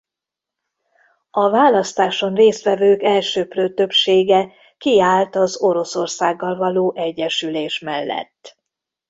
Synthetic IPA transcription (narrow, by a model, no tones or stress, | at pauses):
ɒvaːlɒst̪aːʃo̞nreːst̪ʋɛvøːkɛlʃøːprøːt̪ø̞pʃeːɡɛ | kiaːlt̪ɒzo̞ɾo̞so̞rsaːɡːɒlvɒloːʔɛɟːɛʃyleːʃmɛlːɛ̰t̪ː